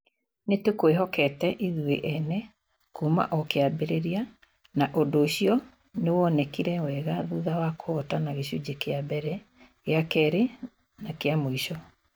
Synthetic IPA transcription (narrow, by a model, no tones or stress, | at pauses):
netekweɦɔkɛtɛʔiðueʔɛnɛ | kuma̰ʔɔkeabeɾeɾia | naʔondoːɕiɔ | newɔnɛkiɾɛwɛɣaðuðawakʰoɔtanaɣeɕud͡ʑekeabɛɾɛ | jakɛɾe | nakeamoiɕɔ